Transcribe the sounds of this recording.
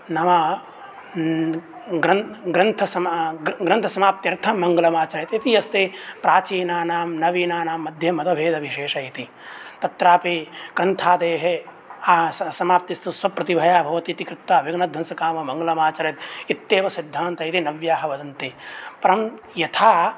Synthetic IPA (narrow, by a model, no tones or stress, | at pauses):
nɐmɐ | ɡɾɐnɡɾɐnt̪ʰɐsɐmɡɾɐnt̪ʰɐsɐmaːp̚t̪jɐɾt̪ʰɐmɐŋɡɐlɐmaːt͡ʃɐɾet̪it̪iɐst̪epɾaːt͡ʃiːnaːnaːmnɐʋiːnaːnaːmːɐd̪ʱjɐmɐt̪ɐbʱeːd̪ʱɐʋʱiʃeːʂɐjit̪i | t̪ɐt̪ɾaːpikɾɐnt̪ʰaːd̪eːɦe | aːssɐmaːp̚t̪ist̪uswɐpːɾɐt̪ibʱɐjaːbʱɐʋɐt̪it̪ikɾɪt̪waːʋiɡnɐd̪ʱːɐnsɐkaːmɐmɐŋɡɐlɐmaːt͡ʃɐɾɐt̪it̪ːeːʋɐsid̪ʱːaːnt̪ɐjit̪inɐʋjaːɦɐʋɐd̪ɐnt̪ipɐɾɐm | jɐt̪ʰaː